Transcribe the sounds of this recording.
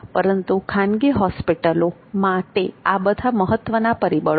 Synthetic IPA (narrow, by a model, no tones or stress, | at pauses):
pəɾənt̪ukʰãnɡiɦɔspiʈəlomaʈeabəd̪ʱaməɦət̪ʋənapəɾibəɭ